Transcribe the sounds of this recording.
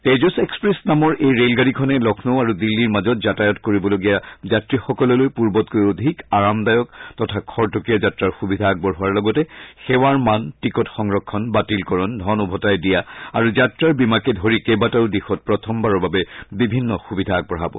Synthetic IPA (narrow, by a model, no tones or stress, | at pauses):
tejzɔsɛkspɹesnamɔɹʔejɹelɡaɹikʰɔnɛlɔkʰnoaɹudilːiɹmazɔt̚zatajɔtkoɹibɔloɡijazatɹixɔkɔlɔlojpuɹbɔtkojodʱikaɹamdajɔk̚tɔtʰakʰɔɹtɔkijazatɹaɹxubidʱaːɡ̚bɔɹɦʊaɹlɔɡɔtɛxɛwaɹmantɹikɔtxɔŋɹɔkʰːɔnbatilkɔɹɔndʱɔnubʱɔtajdijaa̰ɹuzatɹaɹbimakɛdʱoɹikebataɹudixɔt̚pɹɔtʰɔmbaɹɔɹbabɛbibʱinːɔxubidʱaːɡ̚bɔɦabɔ̰